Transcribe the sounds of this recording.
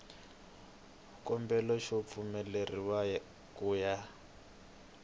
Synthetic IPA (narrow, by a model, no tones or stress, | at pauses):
kɔmbɛlɔʃop̪fumɛleriwaj | kuːja